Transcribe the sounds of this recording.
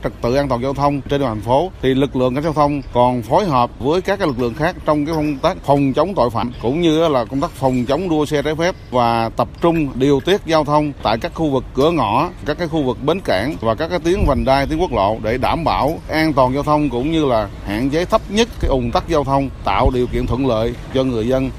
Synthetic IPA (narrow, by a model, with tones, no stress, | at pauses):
t͡ɕɨ˨˩k̚t̪ɨ̰˧˨ʔaː˧t̪waː˨˩zaː˧wt̪ʰə˧wŋ͡mt͡ɕe˧n˨˩t̪ʰa˨˩ŋ̟fo˨˦t̪ʰi˨˩lɨ˨˩k̚lɨ̰˧˨əŋkaː˧˥k̚zaː˧wt̪ʰə˧wŋ͡mkɔ˨˩nfo˨˦jɦəː˨˩p̚vəː˨˦jkaː˦˥k̚ːaː˦lɨ˨˩klɨ̰˧˨əŋxaː˦˥k̚t͡ɕɔ˧wŋ͡mkaː˨˦jkə˧wŋ͡mt̪aː˦˥k̚fə˨˩wŋ͡mt͡ɕə˨˦wŋ͡mt̪o̰˧˨jfa̰ː˧˨mkʊ̰˧˥ŋ͡mɲɨ˧˨˦laː˨˩kə˧wŋ͡mt̪aː˦˥k̚fə˨˩wŋ͡mt͡ɕə˨˦wŋ͡mɗu˧əsɛ˧t͡ɕaː˨˦jfɛ˦˥p̚vaː˨˩t̪ə˨˩p̚t͡ɕʊ˧ŋ͡mɗi˨˩əwt̪i˦˥ət̚zaː˧wt̪ʰə˧wŋ͡mt̪a̰ː˧˨jkaː˦˥k̚xu˧vɨ˨˩kːɨ˧˩əŋɔ˧˩kaː˦˥kːaː˨˦jxu˧vɨ˨˩k̚ɓe˨˦nkaː˧˩ŋvaː˨˩kaː˦˥k̚ːaː˨˦jt̪i˨˦əŋvə˨˩ŋɗaː˧jt̪i˨˦əŋku˦˥k̚lo̰˧˨ɗe˧˩ɗaː˧˩mɓaː˧˩˨wʔaː˧nt̪waː˨˩nzaː˧wt̪ʰə˧wŋ͡mkʊ̰˧˥ŋ͡mɲɨ˧laː˨˩ | ha̰ː˧˨nt͡ɕe˨˦t̪ʰə˦˥p̚ɲə˦˥t̚kaː˨˦jʔʊ˨˩ŋ͡mt̪a˦˥k̚zaː˧wt̪ʰə˧wŋ͡mt̪a̰ː˧˨wɗi˨˩əkḭ˧˨ənt̪ʰwə̰˧˨nlə̰ː˧˨jt͡ɕɔ˧ŋɨ˨˩əjzə˧n